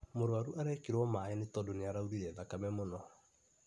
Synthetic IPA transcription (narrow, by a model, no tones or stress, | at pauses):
moɾwaɾuʔaɾɛkeɾwɔmaːɛnetɔdoneaɾauɾiɾɛðakamɛmonɔ